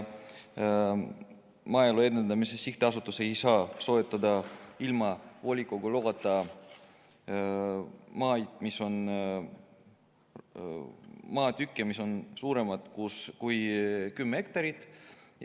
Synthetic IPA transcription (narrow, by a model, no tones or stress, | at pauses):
mɑjeloe̞d̪end̪ɑmise̞siht̪eɑsut̪ːˑusejsɑːso̞et̪ːˑɑd̪ɑilmɑvo̞lʲikˑoɡuloɡɑt̪ˑːɑ | mɑːjd̪̥miso̞n | mɑːt̪ykːˑemiso̞nsuːɾe̞mɑt̪kuskujkymːee̞k̚t̪ɑɾit̪ˑ